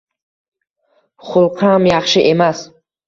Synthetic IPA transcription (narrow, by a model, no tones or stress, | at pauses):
χulˠqʰaamjaχʃiʔemas